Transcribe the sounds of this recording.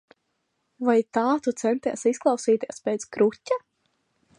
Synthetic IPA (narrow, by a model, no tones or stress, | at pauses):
vajt̪aːt̪ut̪sɛnt̪iɛsisklˠɑwsiːt̪iɛspʲeːt̪skɾutʲːa